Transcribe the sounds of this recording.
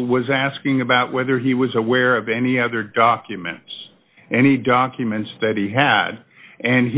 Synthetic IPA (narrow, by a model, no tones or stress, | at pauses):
wʌzæskɪ̃ŋɨbaʊʔwʔɛðə˞iwʌzəwɛɹʌvɛniʌðə˞dɑkʰjɨmɨ̰̃nts | ʔɛɾ̃idɑkʰjɨmɨ̃ntsðɨt̚hiɨɾ | ʔɨ̃n